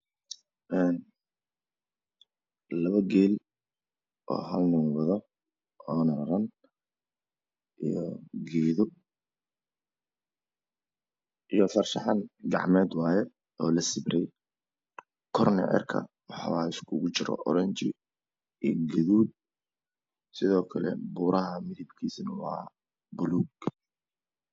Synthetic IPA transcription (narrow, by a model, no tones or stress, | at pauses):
ʔɛn | lɐβɐɡɛːl | ʔɔ̰ːɦɐlnʊŋwɐðɔ | ɔːnɐɾɐɾɐn | ʔijɔɡɛːðʊ | ʔijɔfɐrʃɑħɑnɡɑʕmɛːd̪wɑːjɛ | ɔːlɐsɪbɾɛj | kʰɔrnɛ̰ʕɛ̰rkʰɐ̰ | wɑħɑ̰waɪskʰʊɣʊt͡ʃɪɾɔ̰ʔɔɾɛɲt͡ʃɪ | iːɡɐðuːd̪̚ | sɪðɔːkʰɐlɛ̰buːɾɐɦɐmɪðɪbkʰiːsnɐwɑ̰ː | bʊluːɡ